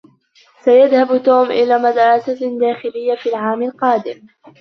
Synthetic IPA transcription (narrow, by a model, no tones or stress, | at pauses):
sajaðhabt̪oːmʔɪlaːmad̪ɾˤɑsad̪aːxɪlɪjːafiːlʕaːmalqɑːd̪ɪm